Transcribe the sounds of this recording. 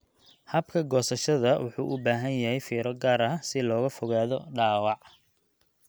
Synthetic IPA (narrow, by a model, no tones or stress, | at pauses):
hɐbkʰɐɡɔːsɐʃɐðɐwʊħṵːʔʊbaːɦɐnjɐɦɛjfiːɾɔd̪̚ɡaːɾɐɦɐsɪlɔːɣɐfɔɣaːðɔɖaːwɑʕ